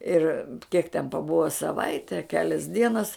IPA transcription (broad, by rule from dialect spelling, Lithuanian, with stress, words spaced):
ˈɪr kʲiɛk tʲɛn pɐˈbʊʋɐ sɐˈʋɐɪtʲɛ ɐ ˈkʲæːlʲɛs ˈdʲiɛnɐs